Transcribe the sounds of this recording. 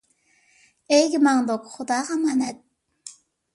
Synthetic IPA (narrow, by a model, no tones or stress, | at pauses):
ejɡʲɪmɑŋd̪okχʊd̪ɑːʁɑmɑnɛt̪̚